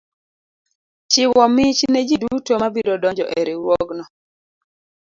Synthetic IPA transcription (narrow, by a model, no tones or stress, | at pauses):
t͡ʃɪwɔmɪt͡ʃned͡ʒidutomabiɾodɔɲd͡ʒɔʔɛɾɛwwɔɡnɔ